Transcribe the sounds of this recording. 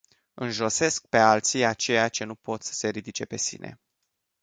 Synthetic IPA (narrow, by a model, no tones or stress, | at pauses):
ɨnʒo̞se̞sk̚pe̞alt̪siat͡ʃe̞jat͡ʃe̞nupo̞t̪sə̥se̞ɾid̪it͡ʃe̞pe̞sḭne̞̰